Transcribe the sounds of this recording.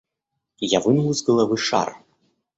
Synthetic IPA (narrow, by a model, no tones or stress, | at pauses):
javɨnlˠuzɡɐlˠavɨʂa̰r